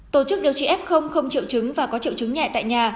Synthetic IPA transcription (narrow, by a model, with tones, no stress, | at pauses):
t̪o˧˩t͡ɕɨ˦˥k̚ɗi˨˩əwt͡ɕḭ˧˨ʔɛ˦˥p̚xə˧wŋ͡mxə˧wŋ͡mt͡ɕḭ˧˨wt͡ɕɨ˨˦ŋvaː˨˩kɔ˨˦t͡ɕḭ˧˨wt͡ɕɨ˨˦ŋɲɛ̰˧˨jt̪a̰ː˧˨jɲaː˨˩